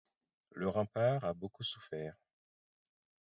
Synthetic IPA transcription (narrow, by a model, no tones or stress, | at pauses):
ləʁɑ̃paʁabokusufɛːʁ